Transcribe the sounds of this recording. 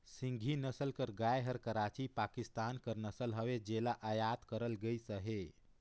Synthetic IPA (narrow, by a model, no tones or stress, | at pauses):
sĩŋɡʱinəsəlkəɾɡajɦəɾkəɾat͡ʃipakist̪ankəɾnəsəlɦəʋed͡ʒelaʔəjad̪kəɾəlɡəjsəɦe